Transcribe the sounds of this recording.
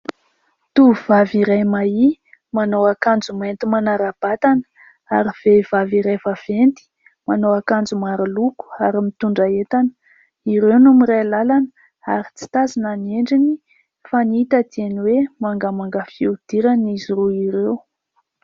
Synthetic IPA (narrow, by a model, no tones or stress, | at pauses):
t̪uv̥aviɾajmai | manowakand͡zument̪imanaɾab̥at̪anə̥ | aɾiv̥ev̥aviɾajvav̥ent̪i̥ | manowakand͡zumaɾiluku̥aɾimit̪uɳɖ͡ʐaet̪anə̥ | iɾewnumiɾajlalanə | aɾit͡si̥t̪azinanieɳɖ͡ʐini | faniit̪ad̪ianiwemaŋɡamaŋɡəfiud̪̥iɾaniziruiɾew